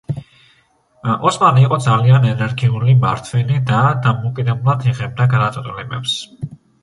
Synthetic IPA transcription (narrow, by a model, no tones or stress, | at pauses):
ʔɔsmaniːqʼɔd̪zalianɛnɛɾɡiulimaɾt̪ʰvɛnid̪ad̪amɔkʼid̪ɛbulˠad̪iʁɛb̚d̪aɡad̪at̪ʼɔt̪ʼulɛmɛ̰ps